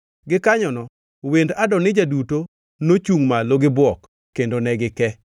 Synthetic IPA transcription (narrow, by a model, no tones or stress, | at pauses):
ɡɪkaɲɔnɔ | wendadɔnɪd͡ʒaduto | not͡ʃuŋmaloɡɪbɔk | kːendonɛɡɪkɛ